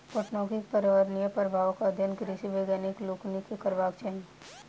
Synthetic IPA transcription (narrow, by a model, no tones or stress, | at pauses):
poʈnɔ̃ːkik̚pəɾʋəɾnijəpəɾbʱaːʋəkəd̪ʱjənkɾɪʃiʋeɡaːnɪkloːknikekəɾʋaːkt͡ʃeːn